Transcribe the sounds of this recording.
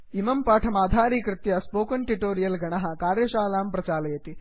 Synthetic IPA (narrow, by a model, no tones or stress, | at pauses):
imɐmpaːʈʰɐmaːd̪ʱaːɾiːkɾɪt̪jɐspoːkɐnʈiʈoːɾijɐlɡɐɳɐɦɐ̆kaːɾjɐʃaːlaːmpɾɐt͡ʃaːlɐjɐt̪i